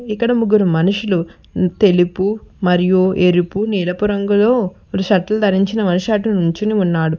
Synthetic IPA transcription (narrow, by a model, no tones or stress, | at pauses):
ikːɐɽɐmuɡːuɾumɐnuʂulu | t̪e̞lipumɐɾijueɾipuniːlɐpuɾɐŋɡulo̞ː | uluʃɐʈːɐlud̪ʱɐɾiɲt͡ʃinɐmɐnuʂaːʈunuɲt͡ʃuniunːaːɽu